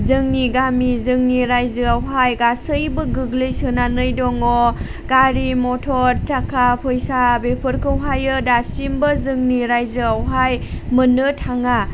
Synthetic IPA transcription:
zɯŋniɡamizɯŋniɾajzɯawɦajɡasɯjbɯɡɯɡlɯjsɯnanɯjdɔŋɔ | ɡ̥aɾimɔtʰɔɾtʰakʰapʰɯjsabepʰɯɾkʰɯwɦajɯdasimbɯzɯŋniɾajzɯawɦajmɯnɯtʰaŋa

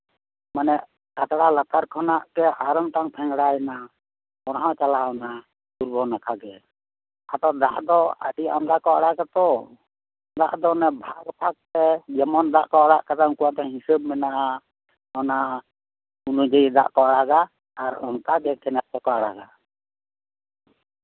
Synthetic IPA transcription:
manɛ | at̪ɽalat̪aɾkʰɔnaʔkɛaɾɔŋt̪aŋpʰɛŋɽajna | ɔɽɦãt͡ʃalaɔna | d̪uɾbɔnakʰaɡɛ | at̪ɔd̪a̰ʔd̪ɔə̰ɖiɔnd̪akɔaɽaɡat̪ɔ | d̪a̰ʔd̪ɔnɛbʱaɡpʰak̚t̪ɛd͡ʒɛmɔnd̪aʔkɔaɽaʔkat̪aŋkuwad̪ɔɦisəb̚mɛnaʔa | ɔna | unud͡ʒəjd̪a̰ʔkɔaɽaɡaː | ɾɔ̰nkaɡɛkʰɛnat̪̚p̪ɛkɔaɽaɡa

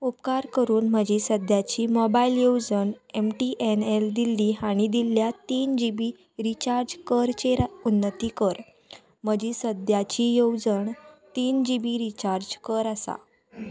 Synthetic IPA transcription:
upkaɾkəɾuːnm̤əd͡ʑisəd̪ʱjat͡ɕiːmɔbailjowd͡zəɳemʈiʔeneld̪ilːiaɽ̃id̪iljat̪iːnd͡ʑibi | ɾit͡ɕaɾd͡ʑkəɾt͡ɕeɾaunːət̪ikəɾ | m̤əd͡ʑisəd̪ʱjat͡ɕijowd͡zəɳt̪iːnd͡ʑibiɾit͡ɕaɾd͡ʑkəɾasa̰

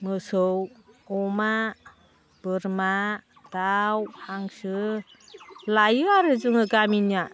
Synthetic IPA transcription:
mɯsowɔma | b̥ɯɾma | d̥awhaŋsɯ | lajɯaɾɯzɯŋɯɡaminia

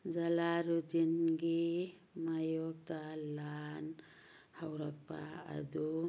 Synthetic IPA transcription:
d͡zalaɾud̪inɡi | majok̚t̪alan | hawɾʌk̚pa̰a̰d̪u

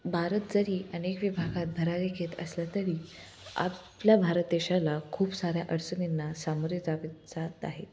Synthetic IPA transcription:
bʱaɾət̪̚d͡zəɾiːənekʋibʱaɡat̪̚bʱəɾaɾeɡʰʱet̪ə̰sljat̪əɾiː | a̰pljabʱaɾət̪eɕalakʰuːpsaɾjaʔəɽt͡səninːasamoɾjəd͡zaʋed͡zat̪aɦe

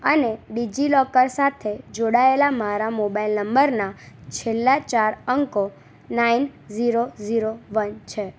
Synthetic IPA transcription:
əneɖid͡ʒilɔkəɾsat̪ʰed͡ʒoɽaelamaɾamobailnəmbəɾnat͡ʃʰelːat͡ʃaɾəŋko | nainziɾoziɾoʋənt͡ʃʰe

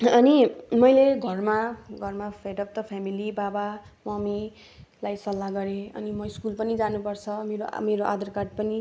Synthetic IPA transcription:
ʌnimʌjleɡʱʌrmaɡʱʌrmapʰeʈʌp̚t̪ʌpʰamilibabamʌmi | lajsʌlːaɡʌɾeʌ̰nimʌiskulpʌnid͡zanupʌrt͡sʰʌmeɾomeɾoʔad̪ʌrkaɖpʌni

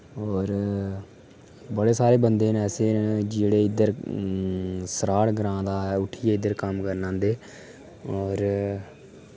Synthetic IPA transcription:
ɔːɾ | bəɽeːsaːɾeːbənd̪eːnɛːseːnd͡ʒeːɽeːɪd̪əɾ | səɾaːɽɡɾãːd̪aːʊʈʰiːeːɪd̪əɾkəmkəɾnãːnd̪eː | ɔːɾ

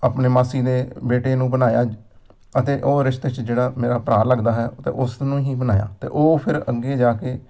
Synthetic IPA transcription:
aːpneːmaːsiːd̪eːbeːʈeːnũːbənaːjaː | ət̪eːʔoːɾɪʃt̪et͡ʃd͡ʒeːɽaːmeːɾaːpɾaːləɡd̪aːɦɛːt̪ḛːʔʊsnũːɦĩːbənaːja̰ːt̪ḛːʔoːpʰɪɾəɡeːd͡ʒaːkeː

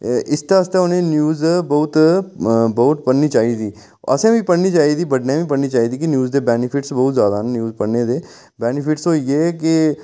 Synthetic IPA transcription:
ɪst̪eəst̪eːʊnẽːnjuːzbəʊt̪ | bəʊt̪pəɽniːt͡ʃaːiːd̪iː | ə̰sẽːbiːpəɽniːt͡ʃaːiːd̪iːbəɖnẽːbiːpəɽniːt͡ʃaːiːd̪iːkɪnjuːzd̪eːbɛːnɪpʰɪʈsbəːʊt̪zjaːd̪aːnnjuːzpəɽneːd̪eː | bɛːnɪpʰɪʈsoːieːkɪ

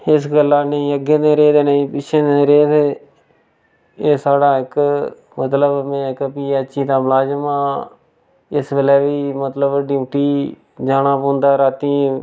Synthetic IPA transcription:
ɪsɡəlːaːnəĩːəɡẽːd̪ẽːɾeːd̪eːneĩːpɪt͡ʃʰẽːd̪eɾeːd̪eː | eːsaːɽaːɪk | mət̪ləbmɛ̃ːɪkpiːəʃiːt̪ãːmlaːd͡ʒmãː | ɪsbeːlɛːʋiːmət̪ləbɖɪũːʈiː | d͡ʒaːnãːpõːnd̪aːɾaːt̪iː

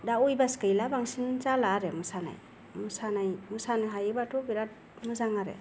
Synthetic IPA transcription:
daujbaskɯjlabaŋsinzalaːɾemɯsana̰j | mɯsanajmɯsanɯɦajebatʰubiɾat̚ | mɯzaŋaɾḛ

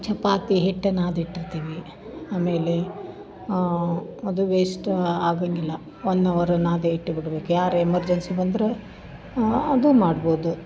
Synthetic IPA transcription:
t͡ʃʰɐpːaːt̪iɦeʈːenaːd̪iʈːiɾt̪iːʋi | aːme̞ːle | ɐd̪uʋeːsʈaːɡaŋɡilːɐ | onːɐʋɐɾɐnaːd̪eiʈːubiɽɐbe̞ːkujaːɾemɐɾd͡ʒɐnsibɐnd̪ɾe | ɐd̪umaːɖboːd̪u

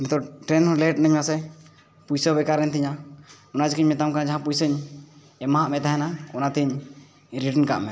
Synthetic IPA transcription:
mɛt̪ɔʈɾɛnleʈ̚nəɲmasɛ | pujsəbɛkaɾːɛnt̪iɲa | ɔnad͡ʒikiɲmɛt̪amkanad͡ʒaɦãpujsəɲ | ɛmaɦaʔmɛt̪aɦɛnaɔnat̪iɲ | ɾiʈənka̰ʔmɛ

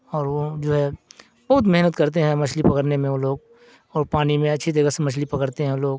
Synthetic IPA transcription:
ɔːɾʋod͡ʒoːɦɛ | bɐɦʊt̪̬mɪɦnət̪kɐɾt̪̬eɦɛ̃mɐt͡ʃʰlipɐkəɾnemẽoloːɡ | ɔːɾpaːnimẽɐtːʃʰid͡ʒ̪ɐɡəsemɐt͡ʃʰlipɐkəɾt̪eɦɛ̃loːɡ

